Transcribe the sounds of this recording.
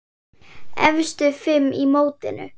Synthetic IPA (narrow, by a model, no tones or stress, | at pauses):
ɛ̰vst̪ʏfɪmːimoːwt̪ɪnʏ̰